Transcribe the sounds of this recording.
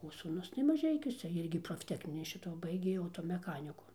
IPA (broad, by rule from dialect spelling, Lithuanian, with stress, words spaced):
oː suːˈnʊs tɐɪ mɐˈʒʲɛɪkʲuɔsʲɛ ˈɪrʲɡʲɪ proːfʲˈtʲæːknʲɪnʲiː ˈʃʲɪtoː ˈbɐɪɡʲeː ɐʊtoːmʲɛˈxɑːnʲɪkʊ